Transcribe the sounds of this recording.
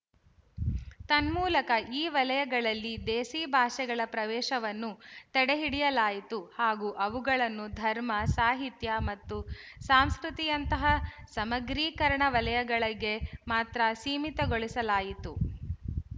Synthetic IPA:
t̪ɐnmuːlɐkɐʔiːʋɐlɐjɐɡɐɭɐlːid̪eːsiːbʱaːʃɛɡɐɭɐpɾɐʋɛːʃɐʋɐnːut̪ɛɽeɦiɽijɐlaːjit̪uhaːɡuːʔɐʋuɡɐɭɐnːud̪ʱɐɾmɐsaːɦit̪jɐmɐt̪ːusaːmskɾut̪ijɐnt̪ɐɦɐsɐmɐɡɾiːkɐɾɳɐʋɐlɐjɐɡɐɭɐɡːe̞maːt̪ɾɐsiːmit̪ɐɡoɭisɐlaːjit̪u

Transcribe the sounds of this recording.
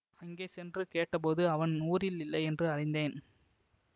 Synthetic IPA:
ɐŋɡeːsɛndrɯkeːʈːɐpoːðɯɐʋɐnnuːɾɪlɪlːɐɪɛndrɯɐɻɪnd̪eːn

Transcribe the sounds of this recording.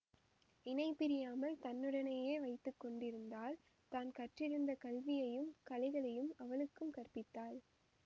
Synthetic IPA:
ɪnɐɪpːɪɾɪjaːmɐlt̪ɐnːɯɽɐnɐjeːʋɐɪt̪ːɯkːɔɳɖɪɾɯnd̪aːl | t̪aːnkɐʈrɪɾɯnd̪ɐkɐlʋɪjɐjɯmkɐlɐɪɣɐɭɐjɯmɐʋɐɭɯkːɯmkɐrpɪt̪ːaːl

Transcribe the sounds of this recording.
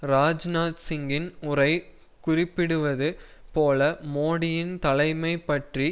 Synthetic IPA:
ɾaːd͡ʒnaːt̪sɪŋɡɪnʊrɐɪ | kʊrɪpːɪɽɯʋɐðɯ | poːlɐmoːɽɪjɪnt̪ɐlɐɪmɐɪpːɐʈri

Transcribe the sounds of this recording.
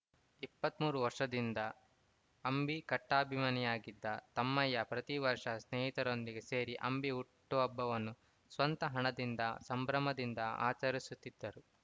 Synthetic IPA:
ipːɐt̪muːɾuʋɐɾʂɐd̪ind̪ɐ | ɐmbikɐʈːaːbʱimɐnijaːɡid̪ːɐt̪ɐmːɐjːɐpɾɐt̪iʋɐɾʂɐsneːɦit̪ɐɾo̞nd̪iɡese̞ːɾiʔɐ̰mbiuʈːuɐbːɐʋɐnːu | sʋɐnt̪ɐɦɐɳɐd̪ind̪ɐsɐmbɾɐmɐd̪ind̪ɐa̰ːt͡ʃɐɾisut̪ːid̪ːɐɾu

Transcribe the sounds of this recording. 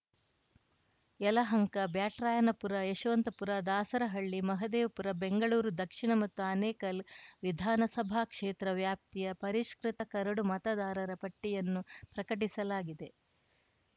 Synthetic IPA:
ɛlɐɦɐŋkɐbjaːʈɾaːjɐnɐpuɾɐeʃʋɐnt̪ɐpuɾɐd̪aːsɐɾɐɦɐɭːimɐɦɐd̪eːʋpuɾɐbeŋɡɐɭuːɾud̪ɐkʂiɳɐmɐt̪ːuɐneːkɐlʋid̪ʱaːnɐsɐbʱaːkʂeːt̪ɾɐʋjaːp̚t̪ijɐpɐɾiʂkɾit̪ɐkɐɾɐɽumɐt̪ɐd̪aːɾɐɾɐpɐʈːijɐnːupɾɐkɐʈ̬isɐlaːɡid̪e̞

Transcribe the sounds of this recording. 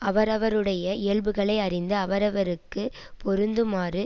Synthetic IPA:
ɐʋɐɾɐʋɐɾɯɽɐjɐɪjɐɭbɯɣɐɭɐɪɐrɪnd̪ɯɐʋɐɾɐʋɐɾɯkːɯ | pɔɾɯnd̪ɯmaːrɯ

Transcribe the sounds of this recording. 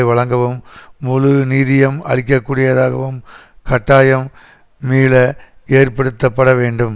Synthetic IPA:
ɪʋɐɭɐŋɡɐʋɯmːʊlɯniːðɪjɐmɐ̰ɻɪk̬ːɐkːuːɽɪjɐðaːɣɐʋɯm | kɐʈːaːjɐmː | iːlɐeːɾpɐɽɯt̪ːɐpːɐɽɐʋeːɳɖɯm

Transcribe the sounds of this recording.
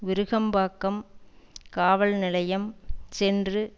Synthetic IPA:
ʋɪɾɯɣɐmbaːkːɐm | kaːʋɐɭnɪlɐjɐmsɛndrɯ

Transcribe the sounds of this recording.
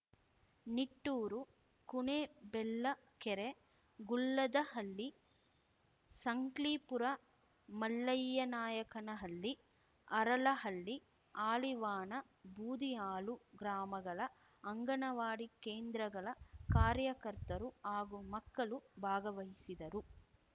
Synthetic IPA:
niʈːuːɾu | kuɳeːbɛlːɐ | kɛɾe | ɡulːɐd̪ɐhɐlːi | sɐŋkliːpuɾɐ | mɐlːɐjːɐnaːjɐkɐnɐɦɐlːi | ɐɾɐlɐɦɐlːi | aːliʋaːnɐ | bʱuːd̪iaːluɡɾaːmɐɡɐɭɐ | ɐŋɡɐɳɐʋaːɽikeːnd̪ɾɐɡɐɭɐkaːɾjɐkɐɾt̪ɐɾuaːɡumɐkːɐɭubʱaːɡɐʋɐɦisid̪ɐɾu

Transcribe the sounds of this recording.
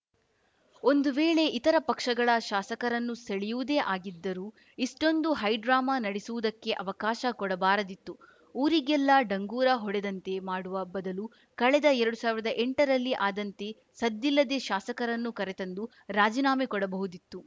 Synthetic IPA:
o̞nd̪uʋeːɭe̞ʔit̪ɐɾɐpɐkʂɐɡɐɭɐʃaːsɐkɐɾɐnːuseɭijuʋud̪eːʔaːɡid̪ːɐɾuː | iʂʈo̞nd̪uɦɐjɖɾaːmɐnɐɽisuʋud̪ɐkːe̞ʔɐʋɐkaːʃɐkɔɽɐbaːɾɐd̪it̪ːu | uːɾiɡɛlːɐɖɐŋɡuːɾɐɦɔɽɛd̪ɐnt̪e̞maːɽuʋɐbɐd̪ɐlu | kɐɭɛd̪ɐɛɾɐɽusaːʋiɾɐd̪ɐʔeɳʈɐɾɐlːiʔaːd̪ɐnt̪e̞ | sɐd̪ːilːɐd̪e̞ʃaːsɐkɐɾɐnːukɐɾet̪ɐnd̪u | ɾaːd͡ʒinaːmikɔɽɐbɐɦud̪it̪ːu

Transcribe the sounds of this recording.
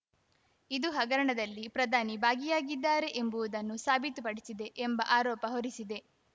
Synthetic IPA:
id̪uɦɐɡɐɾɐɳɐd̪ɐlːipɾɐd̪ʱaːnibaːɡijaːɡid̪ːaːɾe̞ʔembuʋud̪ɐnːusaːbʱit̪upɐɽisid̪e̞ʔembɐʔaːɾɔːpɐɦoɾisid̪e̞

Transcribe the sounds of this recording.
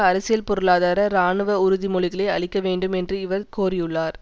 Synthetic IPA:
ɐɾɐsɪjɐlpɔɾɯɭaːðaːɾɐɾaːɳɯʋɐʊɾʊðimɔɭɪɣɐɭɐɪɐɭɪkːɐʋeːɳɖɯmɛndrɯɪʋɐɾkoːrɪjɯɭːaːɾ

